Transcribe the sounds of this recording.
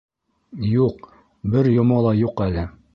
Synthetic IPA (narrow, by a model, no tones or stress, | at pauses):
juq | bɘɾjŏmɑlˠɑjuqælɘ